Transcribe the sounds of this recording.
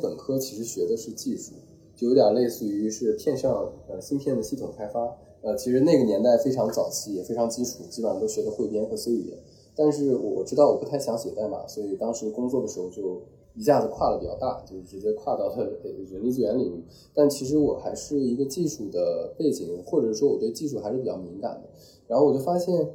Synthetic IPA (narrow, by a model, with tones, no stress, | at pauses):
pə˨˩ŋkʰɤ˥t͡ɕʰi˧˥ʂɻ̩˧˥ɕɥɛ˧˥d̪ə˧ʂɻ̩˥˧t͡ɕi˥˩ʂu˥˩˦ | jo˧˥t̪jɑ˨˩le˥˧ɪsɹ̩˥˩y˧˥ʂɻ̩˥˧pʰjɛ˥˧nʂɑ˥˧ŋə˧ɕi˥npʰjɛ˥˩nd̪ə˩ɕi˥˩t̪ʰʊ˨˩ŋkʰa˥ɪfa˥ | ə˧t͡ɕʰi˧˥ʂɻ̩˧˥ne˥˩ɡə˩njɛ˧˥nt̪a˥˩ɪfe˥ɪʈ͡ʂʰɑ˧˥ŋt͡sɑ˨˩ʊt͡ɕʰi˥jɛ˨˩fe˥ɪʈ͡ʂʰŋt͡ɕi˥ʈ͡ʂʰu˨˩t͡ɕi˥wa˧˥nt̪o˥ʊɕɥɛ˧˥d̪ə˧xwe˥˩ɪpjɛ˥nxɤ˧˥swe˥ɪy̰˨˩˧ | t̪a˥˧nʂɻ̩˥˩wɔ̰˨˩ʈ͡ʂɻ̩˥ɑ˥˩ʊwɔ˨˩pu˥a˥˩ɪɕjɑ˧˥ŋɕjɛ˨˩t͡sa˥˩ma̰˨˩swɔ˧˥i˨˩t̪ɑ˥ŋʂɻ̩˧˥kʊ˥ŋt͡swɔ˥˩d̪ə˩ʂɻ̩˧˥xo˧ʊt͡ɕjo˥˩ʊ | i˧˥ɕja˥˩d͡z̩˨˩kʰwa˥˩lə˩pi˨˩t͡ɕjɑ˥˧ʊt̪a̰˥˩t͡ɕjo˥˧ʊʂɻ̩˥˩ʈ͡ʂɻ̩˧˥t͡ɕjɛ˥kʰwa˥˧t̪ɑ˥˩ʊt̪wə˧˥nli˥˧t͡s̩˥˩ɥɛ˧˥nli˨˩u˥˩ | t̪a˥˩nt͡ɕʰi˧˥ʂ̬ɻ̩˧˥wɔ˨˩xa˧˥ɪʂɻ̩˥˩i˧˥ɡə˧t͡ɕi˥˧ʂu˥˩d̪ə˦pe˥˩ɪt͡ɕi˨˩ŋ˩xwɔ˥˩ʈ͡ʂɤ˨˩˥ʂ̬wɔ˥wɔ˨˩t̪we˥˧ɪt͡ɕi˥˧ʂ̬u˥˩xa˧˥ɪʂɻ̩˥˩pi˨˩t͡ɕjɑ˥˩mi˧˥ŋka̰˨˩nd̪ə˦ | ɻa˧˥xwɔ˨˩t͡ɕo˥˩ʊfa˥ɕjɛ˥˩n